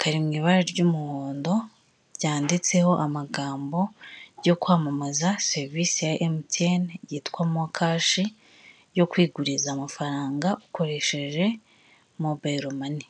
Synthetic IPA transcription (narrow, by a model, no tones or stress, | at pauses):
kʰaɾimŋiːβaɾeɾɟumuhoːndo̞ | ɾjaːndit͡se̞ho̞ʔamaɡaːmbo̞jo̞kwaːmamazaseɾviːsijaʔemtenjiːtkwamakʰaːʃi | jo̞kwiːɡuɾizaːmafaɾaːŋɡaʔukʰo̞ɾe̞ʃe̞ʒe̞ | mubaɾomani